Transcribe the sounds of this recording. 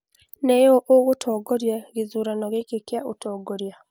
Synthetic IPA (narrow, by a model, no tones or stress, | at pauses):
nejoʔoɣutʰoɡoɾjeɣizuɾanoɣekekjaʔutoːɡoɾja